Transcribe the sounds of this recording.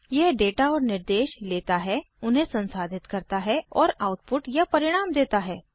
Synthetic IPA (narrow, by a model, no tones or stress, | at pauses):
jɛɦɖeːʈaɔːɾnɪɾd̪eːʃleːt̪aɦɛ | ʊnɦẽsɐ̃nsaːd̪ʱɪt̪kɐɾt̪aɦɛɔːɾaːʊʈ̚pʊʈjapɐɾɪɽ̃aːmd̪eːt̪aɦɛː